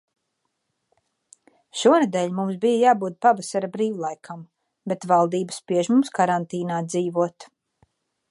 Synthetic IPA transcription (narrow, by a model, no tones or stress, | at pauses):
ʃuɔnd̪ɛʎʲmums̬bijajaːbuːd̪̚pavasaɾabɾiːwlˠajkʰam | bet̪valˠd̪iːbəspiɛʒmumskaɾant̪iːnaːd̪ziːvuɔt̪